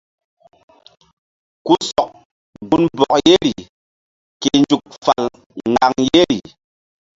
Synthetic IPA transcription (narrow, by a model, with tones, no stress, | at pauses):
ku˦sɔ˨k̚ | bu˨nbɔ˨k̚je˦ɾi˨ | ke˨nd͡ʒu˨k̚fa˨l | ŋɡa˨ŋje˦ɾḭ˨